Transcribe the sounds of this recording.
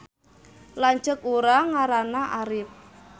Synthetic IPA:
laɲt͡ʃəkuɾaŋaɾanaʔaɾɪp̚

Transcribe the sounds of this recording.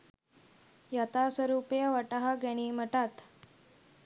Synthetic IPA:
jat̪asʋəɾupjəʋəʈaɦaɡɛɽ̃iːm̤əʈat̪

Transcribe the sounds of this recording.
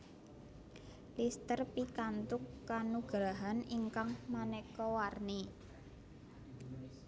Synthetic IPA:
list̪ərpikant̪ʊkːanuɡ̥ɾaɦaniŋkaŋmanɛkɔwarni

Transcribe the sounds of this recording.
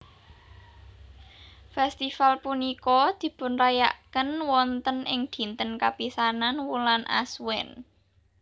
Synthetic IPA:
fɛst̪ifalpunikɔd̪̥i̤pʊnraja̰ʔkənwɔnt̪ənɪŋd̪̥i̤nt̪ənkapisananwulanʔa̰swɛn

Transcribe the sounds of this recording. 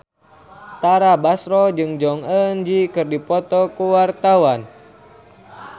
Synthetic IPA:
t̪aɾabasɾɔd͡ʒɨŋd͡ʒɔŋənd͡ʒikɨrdipɔt̪ɔkuwart̪awan

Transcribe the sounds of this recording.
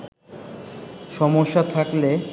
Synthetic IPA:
ʃɔmoʃːat̪ʰakle

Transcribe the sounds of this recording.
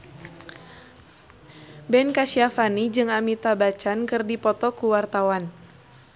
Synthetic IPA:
bɛnkasiafanid͡ʒɨŋamit̪abat͡ʃankɨrdipɔt̪ɔkuwart̪awan

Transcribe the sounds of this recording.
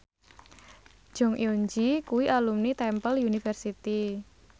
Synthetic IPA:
ʒ̥ɔ̤ŋj̰oɲd͡ʒikuwiʔalumnit̪ɛmpəljunifɛrsit̪i

